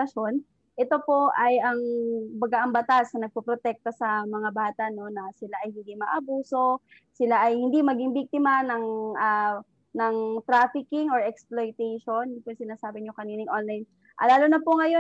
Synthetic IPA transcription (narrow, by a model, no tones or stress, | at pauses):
ɐʃo̞n | ʔɛt̪o̞po̞ʔɐjɐŋbɐɡaʔɐŋbɐt̪asnɐnɐɡ̚pɐpɾot̪ɛk̚t̪osɐmɐŋabaːt̪ɐʔno̞nɐsɪlaʔɐjhɪnd̪imɐʔɐbuːso̞ | sɪlaʔɐjhɪnd̪imɐɡiŋbik̚t̪ɪmɐnɐŋa | nɐŋt̪ɾaːfɪkɪŋoɹɛksplojt̪ɛjʃo̞njʊpoŋsɪnaːsaːbɪɲokɐniːnɪŋʔonlajn | ʔɐ̰laːlonɐpoŋɐjo